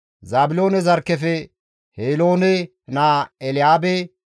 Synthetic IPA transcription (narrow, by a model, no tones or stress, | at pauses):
zaːbɪlo̞ːnɛzɐɾkːɛfɛ | heːlo̞ːnɛ | naːɛlɪaːbɛ